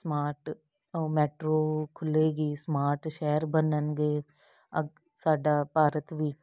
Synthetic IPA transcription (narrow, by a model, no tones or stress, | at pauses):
smaːɾʈ | omɛːʈɾoːkʰʊleːɡiːsmaːɾʈʃɛːɾbənənɡeː | əɡ | saːɖaːpaːɾət̪ʋiː